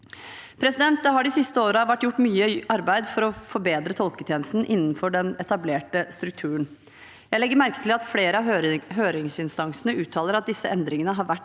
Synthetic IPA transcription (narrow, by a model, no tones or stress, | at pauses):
pʰɾɛsɪd̪ɛnt̪əɦɑɖɪsɪst̪əoːɾəɑʋæʈːjʊʈːmyːəɑɾbæɪd̪fɔɾɔfɔɾbeːd̪ɾət̪ʰɔlkət̪ʰjeːnəst̪n̩ʔɪnːn̩fɔɖɛnɛt̪ɑbleːʈəst̪ɾʉk̚t̪ʰʉːəɳn | jæɪlɛɡːəɾmæɾkət̪ʰɪlɑt̪fleːɾəɑɦøːɾɪŋsɪnst̪ɑŋsənəʉːt̪ʰɑːləɾɑt̪̚d̪ɪsːəʔɛnd̪ɾɪŋənəɦɑɾʋæʈː